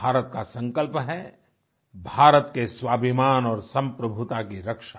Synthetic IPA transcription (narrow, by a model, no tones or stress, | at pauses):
aːɾət̪̚kasɐ̃ŋkəlpɦɛ | bʱaːɾət̪keswaːbʱimaːnɔːɾsɐ̃mpɾɐbʱʊt̪akiɾɐkʃa